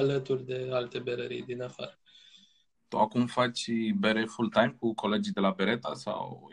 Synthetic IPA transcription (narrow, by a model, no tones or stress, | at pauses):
alət̪urʲd̪e̞alt̪e̞beɾəɾḭjd̪inafa̰ɾə | t̪uakumfat͡ʃʲbeɾefult̪ajmkukʰo̞le̞d͡ʒijd̪e̞labe̞ɾe̞t̪asa̰w